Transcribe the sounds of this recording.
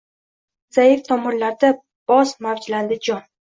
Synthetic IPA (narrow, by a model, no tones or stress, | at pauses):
z̥aɪft̪ʰɒmʊɾlaɾd̪a | b̥ɒzmavd͡ʒland̪ɪd͡ʒɒn